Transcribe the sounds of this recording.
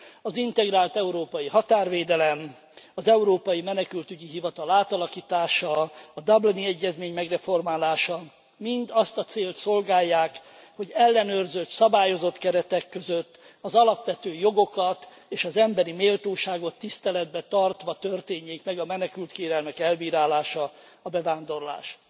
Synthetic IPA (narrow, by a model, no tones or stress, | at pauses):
ɒzint̪ɛɡraːlt̪ɛuɾoːpɒjiɦɒt̪aːrʋeːd̪ɛlɛm | ɒzɛuɾoːpɒjimɛnɛkylt̪yɟiɦivɒt̪ɒlaːt̪ɒlɒkiːt̪aːʃɒːd̪ɒbliniɛɟːɛzmeːɲmɛɡrɛfo̞rmaːlaːʃɒ | mind̪ɒst̪ɒt̪seːlt̪so̞lɡaːjːaːk | ho̞ɟɛlːɛnøːrzøt̪sɒbaːjo̞zo̞t̪kɛɾɛt̪ɛkːø̞zøt̪ː | ɒzɒlɒpʋɛt̪øːjo̞ɡo̞kɒt̪ | eːʃɒzɛmbɛɾimeːlt̪oːʃaːɡo̞t̪ːist̪ɛlɛd̪̚bɛt̪ɒrt̪ʋɒt̪ørt̪eːɲːeːkmɛɡɒmɛnɛkylt̪keːɾɛlmɛkɛlbiːɾaːlaːʃɒ | ɒbɛvaːnd̪o̞rla̰ːʃ